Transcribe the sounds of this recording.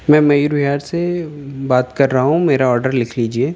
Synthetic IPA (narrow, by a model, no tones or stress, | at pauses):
mɛ̃ːmɐjuɾbʱiaːɾsebaːt̪kɐɾːaɦaɦũmeːɾaɔːɾɖəɾlɪkʰliːd͡ʒieː